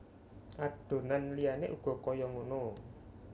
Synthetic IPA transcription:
ʔaɖ̥o̤nanlijaneʔuɡ̥ɔ̤kɔjɔŋono

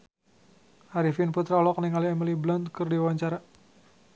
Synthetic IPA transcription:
ʔaɾifinput̪ɾalɔk̚niŋaliɛmiliblɔnd̪kɨrdiwaɲt͡ʃaɾa

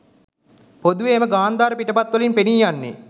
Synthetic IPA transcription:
pod̪uʋeːməɡaːnd̪aːɾəpiʈəpat̪ʋɐlinpeniːjanːḛ

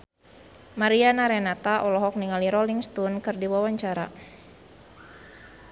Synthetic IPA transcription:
maɾianaɾɛnat̪aʔɔlɔɦɔk̚niŋaliɾɔliŋst̪unkɨrdiwawaɲt͡ʃaɾa̰

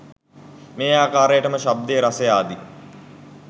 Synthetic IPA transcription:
meːaːkaːɾejəʈəməʃab̚d̪eːɾasejaːd̪i

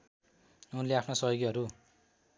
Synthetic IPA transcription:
unleapʰnosʌjoɡiɦʌɾu

